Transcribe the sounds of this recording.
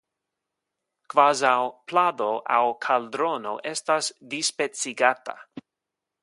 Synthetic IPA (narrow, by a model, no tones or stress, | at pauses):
kvazawpʰladoʔawkʰaldɾono̰ʔestasdispet͡siɡata̰